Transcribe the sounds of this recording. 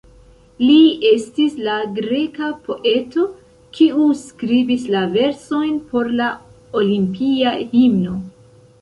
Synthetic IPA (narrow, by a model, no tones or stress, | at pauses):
liestislaɡɾe̞kapo̞ʔe̞to̞ | kʰiuskɾibislave̞ɾso̞jnpo̞ɾla | olimpiahimno̞